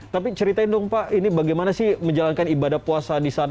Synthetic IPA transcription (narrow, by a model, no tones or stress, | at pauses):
t̪apit͡ʃəɾit̪aindɔŋpaʔinibaɡajmanasɪhməɲd͡ʒalankanibadahpuasadisan